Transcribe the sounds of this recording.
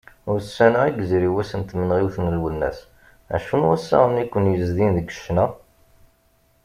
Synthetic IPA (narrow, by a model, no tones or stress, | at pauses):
ʊɾsːænæiɡziɾiwæsənt̪mənʁiwθənəlwəlnːæ̰s | æ̰ʃunwæsːæ̰ʁənikʷːənjəzðinðəɡə̥ʃːnæ